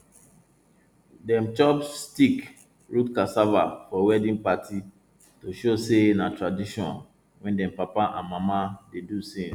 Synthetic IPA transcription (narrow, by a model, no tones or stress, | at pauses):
dɛ̃mt͡ʃɔpstik | ɹutkasavafɔwɛdĩnpatʰi | toʃosenatɹadiʃɔ̰̃n | wɛ̃ndɛ̃mpapaʔã̰nmamadedusĩ